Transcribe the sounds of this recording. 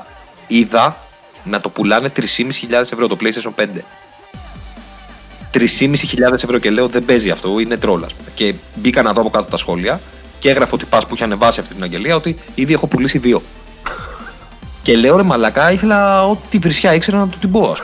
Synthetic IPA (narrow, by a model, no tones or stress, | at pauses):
iðɐ | nɐt̪o̞pulɐne̞t̪ɾisimisi̥çiʎɐðese̞vɾo̞t̪o̞pleist̪eisompe̞nd̪e̞ | t̪ɾisimisiçiʎɐðe̞sevɾo̞ce̞le̞o̞ðebe̞ziɐft̪o̞ine̞t̪ɾo̞lɐ̰spumece̞bikɐnɐðoɐpokɐt̪ot̪ɐsxo̞liɐ | ce̞ɣɾɐfo̞t̪i̥pɐspuiçɐne̞vɐsiɐft̪it̪inɐɲɟe̞liɐo̞t̪i | iðie̞xo̞pulisiðio̞ | ce̞le̞oɾemɐlɐkɐiθe̞lɐo̞t̪t̪ivɾisçɐikse̞ɾɐnɐt̪ot̪ibo̞ɐ̰s